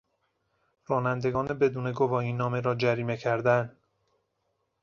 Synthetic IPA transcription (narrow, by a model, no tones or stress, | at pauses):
rɒːnænd̪e̞ɡɒːnebe̞d̪uːne̞ɡo̞vɒːiːnːɒːme̞ɾɒːd͡ʒæɾiːme̞cʰæɾd̪æn